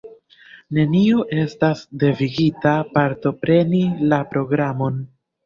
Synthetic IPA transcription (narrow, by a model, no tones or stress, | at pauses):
ne̞nio̞ʔe̞stasde̞viɡitapaɾto̞pɾe̞nilapɾo̞ɡɾamo̞n